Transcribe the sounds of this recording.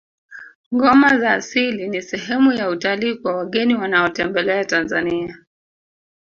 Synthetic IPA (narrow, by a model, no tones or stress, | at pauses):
ŋɡɔmazaːsilinisɛɦɛmujautaliːkwawaɠɛniwanaɔtɛmbɛlɛatanzania